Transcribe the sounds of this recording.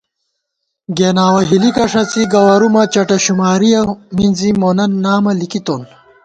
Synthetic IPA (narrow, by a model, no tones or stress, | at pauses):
ɡeːnaːwɐɦilikɐʂɐt͡siɡɐwɐɾumɐt͡ɕɐʈɐɕumaːɾijɐminzimoːnɐnːaːmɐlikit̪on